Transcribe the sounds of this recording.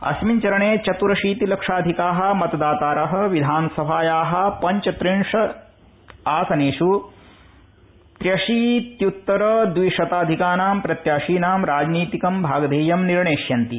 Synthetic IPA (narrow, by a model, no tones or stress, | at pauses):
ɐ̰smiɲt͡ʃɐɾɐɳeːt͡ʃɐt̪uɾɐʃiːt̪ilɐkʂaːd̪ʱikaːɦɐ̆mɐt̪ɐd̪aːt̪aːɾɐɦɐ̆ʋid̪ʱaːnɐsɐbʱaːjaːɦɐ̆pɐɲt͡ʃɐt̪ɾiɳʂɐ | aːsɐneːʂu | t̪ɾjɐʂiːt̪jut̪ːɐɾɐd̪ʋiʂɐt̪aːd̪ʱikaːnaːmpɾɐt̪jaːʃiːnaːmɾaːd͡ʒniːt̪ikɐmbʱaːɡɐd̪ʱeːjɐmniɾɳeːʂjɐnt̪i